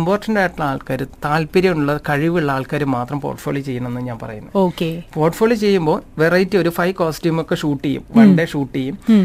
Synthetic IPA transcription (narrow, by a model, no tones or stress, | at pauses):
mboːrʈːɐɳɖaːjʈːiɭɐaːɭkaːɾut̪aːlpiɾɐjuɳuɭːɐkɐɻiʋiuɭːɐaːɭkaːɾumaːt̪rɐmpo̰ːrʈfoːɭjot͡ɕe̞jːɐɳɐmenːɨɲaːnpɐ̰rɐ̰junːɐðoːkepo̞ːrʈfoːɭjot͡ɕe̞jːumbo̞ːʋerɐjitːɨo̞ɾufɐjkoːstiːmokːeʂuːʈːijṵmʋɐɳɖeʂuːʈːijum